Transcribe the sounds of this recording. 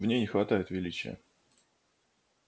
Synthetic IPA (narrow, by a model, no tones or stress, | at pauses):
vnʲejnʲɪxvɐt̪ajɪt̪vʲɪlʲit͡ɕɪ̰jə̰